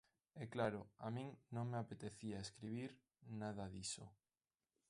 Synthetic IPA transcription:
ɛklaɾoamĩŋnõŋmeapet̪eθiaeskɾiβ̞iɾ | nað̞aðiso

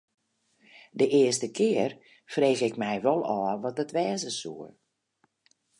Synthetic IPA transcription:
dəʔɪəstəkʰɪər | freːɣɪkmɛjʋɔlˠɔːəʋɔt̚ətʋɛːzəsṵə

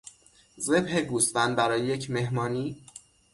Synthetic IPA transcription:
ze̞bheɡusbænd̪bæɾɒːjeje̞cʰme̞ɦmɒːniː

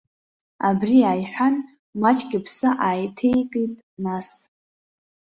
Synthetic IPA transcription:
a̰briaːjħʷᶣan | mat͡ʃʼɡʲɪpʰsaʔaːjtʰejkʼɨtʼ | nas

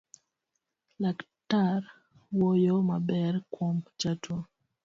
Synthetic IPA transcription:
lak | taɾ | wojomabɛrkwomt͡ʃatʰo

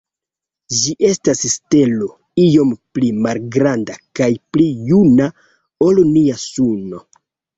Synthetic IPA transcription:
d͡ʒiʔe̞stasste̞lo̞ | ijo̞mplimalɡɾandakajplijuna | olniasuno̞

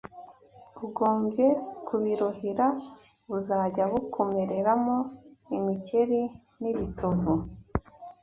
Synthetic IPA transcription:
βuɡo̞ːmbɟe̞kʰuβiɾohiɾa | βuzaːɟaβukʰomeɾe̞ɾamoimice̞ɾi | niβitoɾo

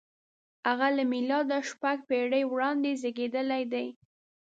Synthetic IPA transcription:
haɣalamilɑd̪aʃpaɡ̚peɽəjwɽɑnd̪ezeɡed̪əlajd̪aj

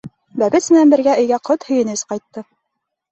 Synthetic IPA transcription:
bæbɘt̪smɘ̆nænbɘ̆ɾɡæʔɵ̆jɡæqot̪hɵ̆jɘ̆nɘsqɑjt̪ːɤ

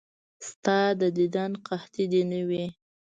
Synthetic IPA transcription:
st̪ɑd̪əd̪id̪ɑnqaht̪id̪enəwi

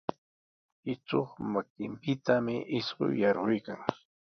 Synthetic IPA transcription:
ɪt͡soχmakɪmpɪt̪amɪʔɪsɢʊ̰jjɑɾʁʊjkaŋ

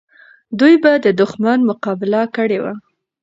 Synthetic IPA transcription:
d̪ujbad̪əd̪ʊxmanmʊqɑbɪlakəɽewa̰

